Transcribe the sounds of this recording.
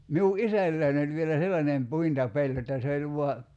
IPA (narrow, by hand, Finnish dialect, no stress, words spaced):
miu ʔisælːæin olʲ ʋielæ selːɑnem puintɑpelʲ jotːɑ se olʲ ʋuɑ